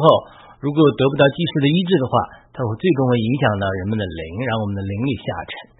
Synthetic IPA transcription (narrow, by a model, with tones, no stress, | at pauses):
xo˥˩ʊ | ɻu˧˥k̬wɔ˨˩jt̪ɤ˧˥p̬u˧˩t̪ɑ˥˧ʊt͡ɕi˥˧ʂɻ̩˥˩d̪ə˩i˥ʈ͡ʂɻ̩˥˩d̪ə˩xwa̰˥˩t̪ʰa˥xwe˥˧ɪt͡swe˥˧ɪʈ͡ʂʊ˥ŋwe˧˥ɪi˧˥ŋɕjɑ˨˩ŋt̪ɑ˥˩ʊɻə˧˥nmə˧nd̪ə˨lḭ˧˥ŋɻa˥˩ŋwɔ˨˩mə˦nd̪ə˧li˧˥ŋli˨˩ɕja̰˥˩ʈ͡ʂʰə̥˧˥˦